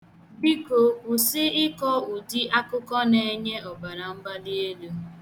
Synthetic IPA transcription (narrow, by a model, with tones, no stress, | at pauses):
bi˦ko˨u˨sɪ˦ɪ˦kɔ˦u˨di˦ʔa˦kʊ˦kɔ˦ne˨˦ɲe˦ɔ˨ba˨ɾa˨m̩˦ba˦li˦e˦lu˦